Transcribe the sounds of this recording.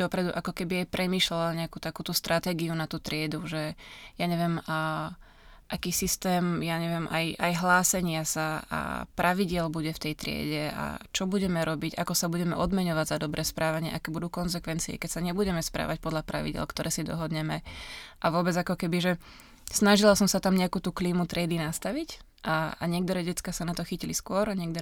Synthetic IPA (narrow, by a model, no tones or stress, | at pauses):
d̪ɔpɾɛd̪uʔakɔkɛbiajpɾʔɛmiːʃlɛlɲɛakuːt̪akuːt̪ust̪ɾat̪ɛːɡiunat̪uːt̪ɾɪɛd̪uʒɛjaɲɛʋɪɛm | ʔakiːsist̪ɛːmjaɲɛʋɪɛmʔa̰jajɦlaːsɛɲɪasaa̰pɾʔaʋiɟɪɛlbuɟɛft̪ɛjt̪ɾɪɛ̰ɟɛa̰t͡ʃɔbuɟɛmɛɾɔbiɟa̰kɔsabuɟɛmɛʔɔd̪mɛɲɔʋaɟzad̪ɔbɾʔɛːspɾʔaːʋaɲɪɛ̰ʔakɛːbud̪uːkɔnzɛkʋɛnt͡siɛ̰kɛcsaɲɛbuɟɛmɛspɾa̰ːʋac̚pɔd̪ʎapɾa̰ʋḭɟɪɛ̰lkt̪ɔɾɛːsid̪ɔ̰ɦɔd̪ɲɛmɛʔaʋʊɔbɛd͡zakɔkɛbiʒɛ | snaʒilasɔmsat̪amɲɛakut̪uːkliːmut̪ɾɪɛd̪inast̪aʋic | ʔaa̰ɲɪɛk̚t̪ɔɾɛːɟɛt͡skaːsanat̪ɔxiciliskʊɔɾaɲɛk̚d̪ɔ